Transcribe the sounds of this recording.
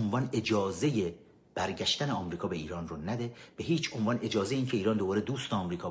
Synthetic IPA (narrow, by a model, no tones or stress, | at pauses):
nvɒːne̞d͡ʒɒːze̞je | b̥æɾɟæʃt̪æneɒːmɾiːkʰɒːbe̞iːɾɒːnronæd̪e̞b̥eɦiːt͡ʃʰonvɒːnʔe̞d͡ʒɒːzejeincʰeiːɾɒːnd̪obɒːɾed̪uːst̪ɒːmɾiːkʰɒː